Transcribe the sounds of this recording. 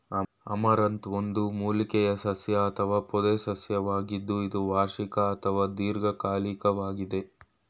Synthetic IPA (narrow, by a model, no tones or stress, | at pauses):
ɐ | ɐ̰mɐɾɐnt̪ond̪umuːlikɛjɐsɐsjɐːt̪ʰɐʋaːpɔd̪esɐsjɐʋaːɡid̪ːuid̪uʋaːʃikɐɐt̪ʰɐʋaːd̪iːɾɡɐkaːlikɐʋaːɡid̪e̞